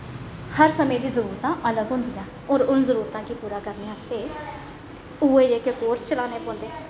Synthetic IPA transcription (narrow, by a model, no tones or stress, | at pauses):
həɾsəmẽːd̪iːzəɾuːɾt̪ãːʔələɡɦʊ̃ːnd̪ijãː | oːɾʊnzəɾuːɾət̪ãːkiːpuːɾaːkəɾneːaːst̪eː | uːeːekekoːɾst͡ʃəlaːneːpõːnd̪eː